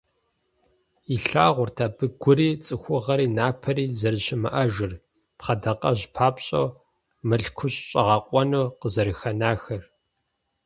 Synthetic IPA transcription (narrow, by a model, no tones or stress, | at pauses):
iɬaːʁʷʊrtʰaːbɨɡʷʊɾiːt͡sʼɨxʷʊʁɐɾiːnaːpʰɐɾiːzɐrɨɕɪmɨ̰ʔɐʒɪr | pχɐdɐqɐʑpʰaːpɕʼow | mɨɬkʷʰʊɕʼɕʼɐʁɐqʷʼɔnuːqəzɐɾɨxɐnaːxɐr